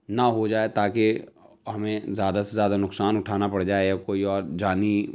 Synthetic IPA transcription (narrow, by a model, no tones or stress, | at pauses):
naɦod͡ʒaːet̪aːke | ɦɐmẽzjaːd̪asezjaːd̪anʊksaːnʊʈʰaːnapɐɽd͡ʒaːejakoːiɔːɾd͡ʒaːni